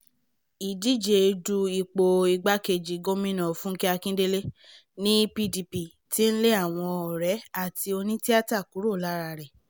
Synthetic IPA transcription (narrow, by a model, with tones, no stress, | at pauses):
i˨di˨˦d͡ʒe˨˧du˧i˨k͡po˧i˧ɡ͡ba˦ke˧d͡ʒi˨ɡo˦mĩ˦nɔ̃˨fũ˦ke˦a˧kĩ˦de˦le˦ | nĩ˦pi˧di˧pi˨ | ti˦n̩˦le˦a˦˨w̃ɔ̃˧ɔ˨ɾɛ˨˦a˦˨ti˧o˧nĩ˦ti˦a˦ta˦˨ku˨˦ɾo˦˨la˨˦ɾa˧˨ɾɛ˨